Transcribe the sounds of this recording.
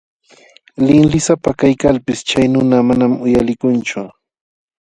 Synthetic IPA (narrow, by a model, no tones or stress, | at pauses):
lɪŋlɪsapakajkalpɪst͡ʃajnʊnamanamʊjalɪkʊnt͡ʃʊ